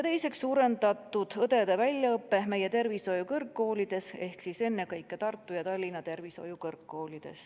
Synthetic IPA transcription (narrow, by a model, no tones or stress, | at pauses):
jɑt̪e̞jse̞ksːuːɾe̞nd̪̥ɑt̪ːˑud̪̥ɤd̪̥e̞d̪̥evælʲjɑɤpːe̞me̞jet̪e̞rviso̞jukɤrkːo̞ːlʲid̪̥e̞se̞hksise̞nːe̞kɤjkːet̪ɑrt̪ːˑujɑt̪ɑlʲːinɑt̪e̞rviso̞̰jukɤrkːo̞ːlʲid̪̥e̞̰s